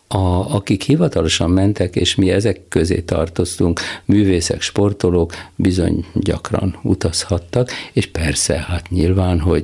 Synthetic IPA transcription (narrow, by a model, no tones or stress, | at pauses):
ɒɒkikhivɒt̪ɒlo̞ʃɒmːɛnt̪ɛkeːʃmiɛzɛkːøzḛːt̪ɒ̰rt̪o̞st̪uŋkmyːveːsɛ̰kʃpo̞rt̪oloːkbizo̞̰ɲɟɒ̰krɒ̰nṵt̪ɒshɒt̪ːɒkeːʃpɛrsɛ̰hat̪ɲilvaːnɦo̞ɟ